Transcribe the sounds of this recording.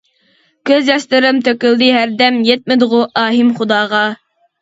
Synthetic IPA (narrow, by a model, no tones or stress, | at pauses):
kʲøzɛst̪ɪɾɪmt̪ʰøkʲylˠd̪iɦæɾd̪ɛmjɛt̪̚mɪd̪ɨʁʊʔɑːɦimχʊd̪ɑːʁɑ